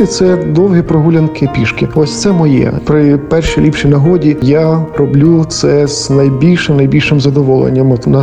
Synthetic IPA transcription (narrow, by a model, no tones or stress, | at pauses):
ɪt̪sɛd̪ɔwɦipɾɔɦulʲɐnkɪpʲiʃkɪɔsʲt̪sɛmɔjɛ̰pɾɪpɛrʃijlʲipʃijnɐɦɔdʲijaɾɔblʲut̪sɛz̥nɐjbʲilʲʃɪmnɐjbʲilʲʃɪmzɐd̪ɔʋɔlˠḛnʲːɐmnɐ